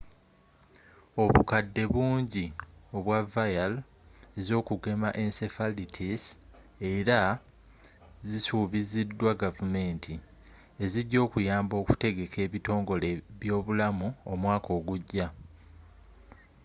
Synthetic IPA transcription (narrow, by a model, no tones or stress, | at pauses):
o̞βukadːe̞βuːɲɟio̞βwavajal | e̞zo̞ːkuɡe̞maʔensefalitʰis | e̞ɾa | zisuβizidːwaɡavume̞ːntʰi | e̞ziɟo̞ːkujaːmbo̞ːku̥te̞ɡe̞kʰe̞ːβito̞ːŋɡo̞leβjo̞ːβulamuo̞mwaːko̞ːɡuɟːa